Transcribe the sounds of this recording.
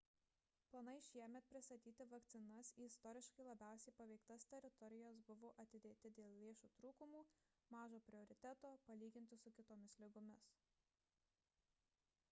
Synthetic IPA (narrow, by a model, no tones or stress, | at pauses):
plˠɐnɐɪʃʲiɛmʲɛt̪̚pʲɾʲɪst̪ɐt̪ʲiːt̪ʲɪʋɐkt̪sʲɪnɐsiːɪst̪ɔːɾʲɪʃkɐɪlˠɐbʲæˑʊsʲɛɪpɐʋʲɛɪkt̪ɐst̪ʲɛɾʲɪt̪ɔɾʲɪjos̬bʊʋoːʔɐt̪ʲɪd̪ʲeːt̪ʲɪd̪ʲeːlˠʲlʲeːʃuːt̪ɾuːkʊmuːmɑːʒoːpʲɾʲɪɔɾʲɪt̪ʲæt̪oːpɐlʲiːɡʲɪnʲt̪ʲɪsʊkʲɪt̪oːmʲɪslʲɪɡʊmʲɪs